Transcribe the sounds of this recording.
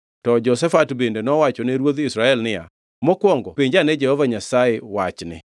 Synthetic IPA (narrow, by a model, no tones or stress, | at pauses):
tɔd͡ʒɔsɛfatbendenɔwat͡ʃɔneɾwod̪isɾaɛlnɪja̰ | mɔkwoŋɡopiɲd͡ʒanɛd͡ʒɛhɔvaɲasaɪwat͡ʃnɪ̰